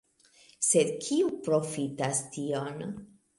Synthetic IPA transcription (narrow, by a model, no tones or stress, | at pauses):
se̞dkʰiupɾo̞fitastio̞n